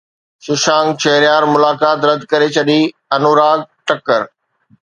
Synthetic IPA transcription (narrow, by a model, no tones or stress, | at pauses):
ʃɪʃãːŋɡt͡ɕʰɐɦɾjaːɾmʊlaːkaːt̪ɾɐd̪ʱkɐɾet͡ɕʰɐɗi | ɐnuːɾaːɡ̚ʈɐkəɾ